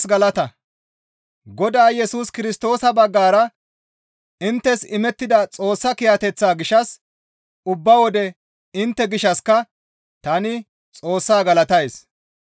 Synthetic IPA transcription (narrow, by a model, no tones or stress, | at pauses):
sɡɐlɐt̪ɐ | ɡɔd̪aːjɛsuːskɪɾɪst̪o̞ːsɐbɐɡːaːɾɐ | ɪnt̪ːɛsɪmɛt̪ːɪd̪ɐt͡sʼo̞ːsːɐkɪjɐt̪ɛt͡sːaːɡɪʃɐs | ʊbːɐwɔd̪ɛ | ɪnt̪ːɛɡɪʃɐskɐ | t̪ɐnɪ | t͡sʼo̞ːsːaːɡɐlɐt̪ɐjs